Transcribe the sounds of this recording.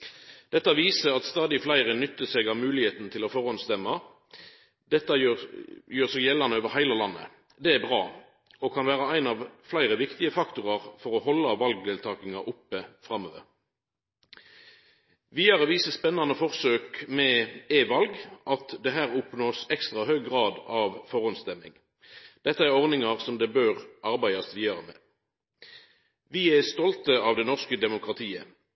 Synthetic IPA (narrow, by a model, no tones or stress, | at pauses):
d̪̥ɛt̪ːɑʋiːsəʁɑt̪st̪ɑːd̪ɪflæɪʁənʏt̪ːəsɛɡɑʋmʉːlɪheːt̪n̩t̪ʰɪlɔfɔʁɑnst̪ɛmːɑ | d̪ɛt̪ːɑjøjøːʁsɛɡjɛlːɑnəoːʋəʁhæɪləlɑnːə̰ | d̪ɛæbʁɑ̰ː | ɔkʰɑnʋæːʁəæɪnɑʋflæɪʁəʋɪkt̪ɪəfɑkt̪ʊʁɑʁfɔʁɔhɔlːɑʋɑlɡ̚d̪eːlt̪ʰɑːkɪŋɑʔʊpːəfʁɑmø̰ːʋə̰ʁ | ʋiːɑʁəʋiːsəspɛnːɑnəfɔʁsøːkmɛeːʋɑlɡʔɑt̪d̪ɛɦæːʁʊpnoːsɛkst̪ʁɑhøːɡɡʁɑːd̪ɑʋfɔʁɔnst̪ɛmɪ̰ŋ | d̪̥ɛt̪ːəæʁɔʁnɪŋɑʁsɔmd̪ɛbøːʁʔɑʁbæɪɑsʋiːɑʁəmɛ̰ː | ʋɪæst̪ɔlt̪əɑʋd̪ɛnɔʁskəd̪ɛmʊkʁɑt̪ʰiːə